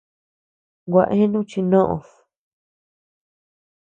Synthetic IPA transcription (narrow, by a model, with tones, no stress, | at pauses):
ɡʷa˧ʔẽ˦nũ˦t͡ʃi˧nõ˦ʔõ̰˧s